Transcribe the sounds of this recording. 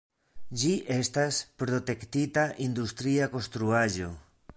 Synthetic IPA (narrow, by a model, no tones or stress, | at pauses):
d͡ʒiʔe̞staspɾo̞t̪e̞kt̪it̪aʔind̪ust̪ɾiako̞nst̪ɾuaʒo̞